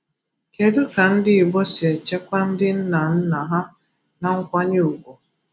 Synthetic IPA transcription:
ke˨dʊ˦ka˨n̩˦dɪ˦ɪ˨ɡ͡bɔ˦si˨e˨t͡ʃe˦kʷa˦n̩˦dɪ˦n̩˦na˨n̩˦na˨ɦa˦ | na˨ŋ̩˦kʷa˦ɲe˦u˨kʷo˨

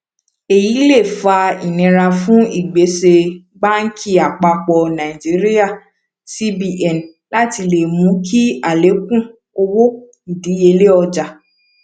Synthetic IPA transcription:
e˨ji˨˦le˦˨fa˧i˨nĩ˨˧ɾa˧fũ˦i˦˨ɡ͡be˨˦se˧ | ba˦n̩˦kʰi˦˨a˨k͡pa˧k͡pɔ˧nã˨i˨d͡ʒi˨˦ɾi˦ja˦˨ | si˦bi˧ʔɛ˨n | la˦ti˧le˨mũ˨˦kʰi˦a˦˨le˨˦kũ˦˨ | o˧wo˦ | i˨di˨˦e˧le˦ɔ˧d͡ʒa˧

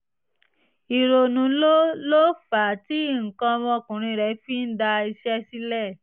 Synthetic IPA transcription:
i˨ɾo˨nũ˨˦lo˦lo˦fa˨ti˦˨ŋ̩˨kã˧mɔ̃˧˦˨kũ˨ɾ̃ĩ˧ɾɛ˨˧˦fi˦n̩˦da˧i˧ʃɛ˦si˦lɛ˦˨

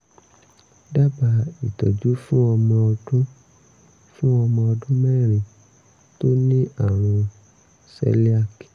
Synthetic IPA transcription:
da˦ba˧i˨tɔ˨d͡ʒu˨˦fũ˦ɔ˧mɔ̃˧ɔ˧dũ˦ | fũ˦ɔ˧mɔ̃˧ɔ˧dũ˦mɛ̃˦˨ɾ̃ĩ˨ | to˦nĩ˦ʔa˦˨ɾ̃ɔ̃˧ | sɛ̰˦li˦a˦˨ki̥˨

